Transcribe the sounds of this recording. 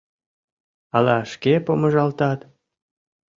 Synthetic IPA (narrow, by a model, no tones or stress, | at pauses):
ɑlɑʃkepomə̆ʒɑlt̪ɑt̪